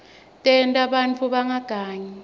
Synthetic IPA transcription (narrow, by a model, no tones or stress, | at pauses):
tʼɛntʼaɓant͡fʰʼuɓaŋaɡ̥ʱaːɲɛ